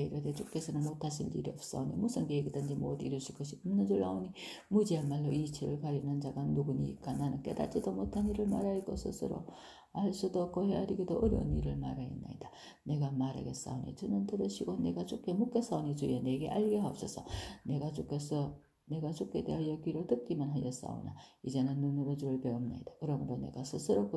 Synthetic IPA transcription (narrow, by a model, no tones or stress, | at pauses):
eiɾɯd̪et͡ɕukːesɯɾɯmot̪ʰaɕ̬ildḭɾipsa̰onimusɯŋɡeɡit̪and͡ʑimod̪iɾɯɕikoɕimɯnːɯnd͡ʒoɭːaonimɯd͡ʑiamalːoʔit͡ɕʰiɾɯ̰ɭkaɾinand͡ʑaɡanuɡɯniḭkːananɯkḛd̪a̰t͡ɕid̪omot̪ʰaniɾɯɭmaɾaikosɯ̰sɯ̰ɾo̰ | aɭsɯd̪okoheaɾiɡed̪oʔɯɾo̰niɾɯɭmaɾaḭnːa̰id̪a | ne̞ɡamaɾa̰ɡes͈a̰onḭt͡ɕɯnɯntɯɾɯɕʰiɡone̞ɡat͡ɕukːemukːes͈aonit͡ɕujeneɡḛʔaʎɡeɦap̚s͈ʰʌsʰʌne̞ɡat͡ɕukesʰʌ | ne̞ɡat͡ɕuked̪eajʌɡiɾɯɭtɯp̚k͈imanɦajʌs͈a̰o̰na̰id͡ʑenɯnːɯnuɾod͡ʑiɾɯɭpeomna̰id̥akɯɾʌmɯɾone̞̰ɡasʰɯsʰɯɾok